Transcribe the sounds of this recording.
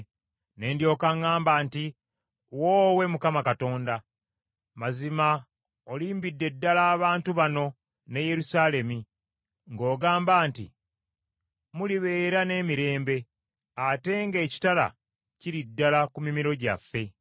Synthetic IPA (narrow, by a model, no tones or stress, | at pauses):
ne̞ːndjo̞ːkaŋaːmbaːnti | woːwe̞mukamakato̞ːnda | mazima | oliːmbidːe̞dːalaːβaːntuβano̞ | neje̞ɾusaːle̞mi | ŋɡo̞ːɡaːmbaːntḭ | muliβe̞ːɾane̞ːmiɾe̞ːmbe̞ | ate̞ŋɡe̞ːci̥tala̰ | ciɾidːalakumimiɾo̞ɟa̰fːe̞